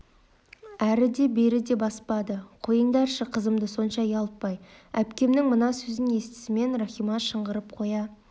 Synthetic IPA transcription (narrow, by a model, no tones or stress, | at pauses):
æɾɪd̪e̞beɾɪd̪e̞bɑspɑd̪əqʰojənd̪ɑɾʃəqʰəzəmd̪əso̞nʃɑjɑlˠp̪̚pɑjæpkʲe̞mnɪŋmənɑsɵzɪne̞st̪ɪ̥sɪme̞nraχijmɑʃəɴʁəɾəp̚qʰo̞jɑ